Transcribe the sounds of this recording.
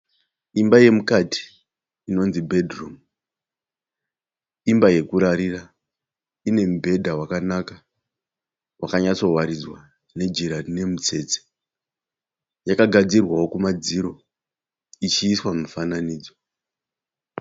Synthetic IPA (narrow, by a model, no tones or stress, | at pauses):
imbaje̞mukati̥ː | no̞nzibʱedrum | imbaje̞kuɾaɾira | ine̞m̩bʱe̞dʱawakanaka | wakaɲat͡so̞waɾid͡zwa | ne̞d͡ʒiɾane̞mut͡se̞ːt͡se̥ | jakaɡʱad͡zirwawo̞kumad͡ziɾo̞ | it͡ʃiːswamufananiːd͡zo